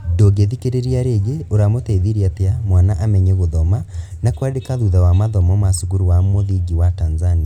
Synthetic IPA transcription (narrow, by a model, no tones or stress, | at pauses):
doɡeðikeɾeɾiaɾeɣeoɾamotɛiðiɾiateamwanaʔamɛɲɛɣoðɔmanakwadekaðuðawamaðɔmɔmasuɣuɾuwamoðiɡiwatanzania